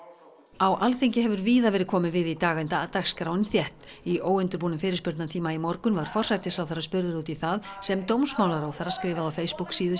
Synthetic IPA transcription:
awʔalθejɲcɪɦɛvʏɾviːðavɛːɾɪ̥kʰɔːmɪnvɪðit̪aːɣant̪aat̪axskɾawnɪnθjɛht̪iʔoːwɪnt̪ʏɾpuːnʏmfɪːɾɪspʏɾt̪nat̪ʰiːmaimɔɾkʏnvaɾ̥fɔr̥sajt̪ɪsawθaɾaspʏɾðʏɾuːt̪iθaðsɛmt̪owmsmaːwlaɾawθaɾːaskɾɪːvaðawfeːjspuksiːðʏ

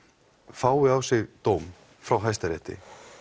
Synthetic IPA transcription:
faːwɪawsɪɣt̪owm | fɾawɦajst̪aɾɪht̪ɪ̰

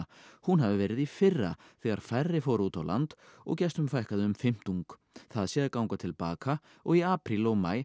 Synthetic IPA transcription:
hunɦavɪvɛːɾɪðifɪrːa̰θɛːɣa̰ɾ̥farːɪfowɾuːt̪awlʔa̰nt̪ɔ̰ɣcɛst̪ʏmfajhkaðɪʏmfɪm̥t̪uŋk | θaðsjɛːðɪɾkawŋkat̪ʰɪlpa̰ːka | ɔɣiaːpɾilɔɣma̰ːj

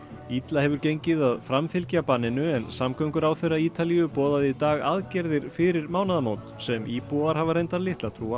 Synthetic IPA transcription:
it̪lahɛvʏɾcejɲcɪðaðfɾamfɪlcapaːnːɪnʏɛnsamkœɥŋkʏɾawθejrːaiːt̪aliʏpɔːðaðit̪aːɣa̰ðcɛɾðɪɾ̥fɪɾɪɾmaːwnaðamowt̪sɛmiːpuaɾ̥ɦavaɾejnt̪aɾlɪht̪lat̪ʰɾuːa

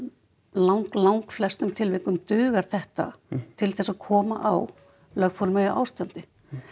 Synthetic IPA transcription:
lawŋklawŋkflɛst̪ʏmt̪ʰɪlvɪhkʏmt̪ʏːɣaɾ̥θɛht̪a̰t̪ʰɪlθɛsːaðkʰɔːma̰ʔaw | lœɣfoɔlmɛja̰ʔa̰ːwst̪ant̪ɪ

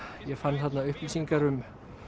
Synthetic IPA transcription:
jɛɣfanːθat̪naʏhplisiŋkaɾʏm

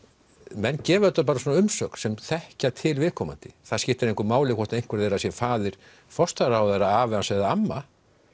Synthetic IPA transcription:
mɛnːcɛːvʏɛt̪aɾp̬aːɾasɔːnaʏmsœk̪sɛmθɛhcat̪ʰɪlvɪðkʰɔma̰nt̪ɪθaðskcɪht̪ɪɾẽjŋkʏɾmaːwlɪkʰɔht̪aejŋ̥kvɛɾðejɾas̬jɛfaːðɪɾ̥ | fɔst̪aɾahawðejɾaaːvɛansɛðaamːa

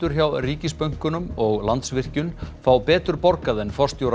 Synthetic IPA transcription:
ʏɾ̥çawriːcɪspœɥŋ̥kʏnʏmɔɣlant̪svɪr̥cʏnfawpɛːt̪ʏɾpɔɾkaðɛnfɔr̥st̪jowɾ

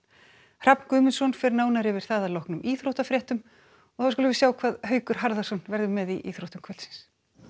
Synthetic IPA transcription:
r̥apn̥kʏːmʏnsɔnfɪɾɪnaːwnaɾɪvɪɾ̥θaːðalowhknʏmʔiːθɾowht̪afɾjɛht̪ʏm | ɔθawskʏlʏvɪɾsjaːwkʰvaːðhœːɥkʏɾ̥ɦaɾðḁsɔnvɛɾðʏmɛðiʔḭːθɾowt̪ʏmkʰvœlsɪ̥ns

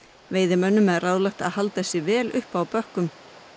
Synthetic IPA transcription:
veːjðɪmœnːʏmɛðraːwlaxt̪a̰ðhalt̪θɛsːɪvɛːlʏhpawpœhkʏm

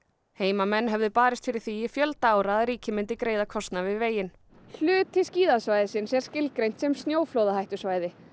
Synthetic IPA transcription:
heːjmamɛnːɦɛvðɪpaːɾɪst̪fɪɾɪɾ̥θiɪfjœlt̪aːwɾaaðɾiːcɪmɪnt̪ɪkɾeːjðakʰɔst̪navɪðveːjɪn | l̥ʏːt̪ʰɪsciːðasvajðɪsɪnsɛɾ̥scɪlkɾejn̥t̪sɛmst̪njoːwflowðahajht̪ʏ̥svaːjðɪ

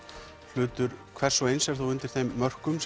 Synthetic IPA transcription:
l̥ʏːt̪ʏɾkʰvɛr̥sɔejnsɛ̥θuwʏnt̪ɪɾ̥θejmːœr̥kʏms

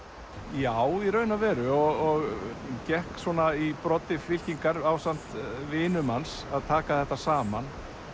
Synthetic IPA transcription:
jaːwiɾœːɥnavɛɾʏɔɣɔɣcɛhkswɔːnaipɾɔt̪ːɪfɪl̥ciŋkaɾawsan̥t̪vɪːnʏmansaðt̪ʰaːkaθɛht̪ːasaːman

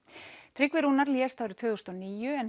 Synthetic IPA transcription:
t̪ʰɾɪkvɪɾuːnaɾliːɛst̪aːwɾɪt̪ʰvʏːðust̪ɔniːjʏɛn

